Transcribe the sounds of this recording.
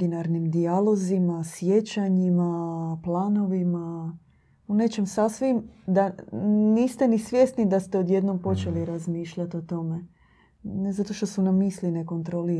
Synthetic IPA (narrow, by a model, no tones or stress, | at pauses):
inaɾnimd̪ialo̞zimasje̞t͡ɕaɲimaplˠaːno̞ʋima | une̞t͡ʃe̞msasʋimd̪aniːst̪enisʋje̞st̪nid̪ast̪eo̞d̪je̞d̪no̞mpo̞t͡ʃe̞liɾazmiːʃʎat̪o̞t̪o̞me̞ | nezat̪o̞ʃt̪o̞sunamiːsline̞ko̞nt̪ɾoli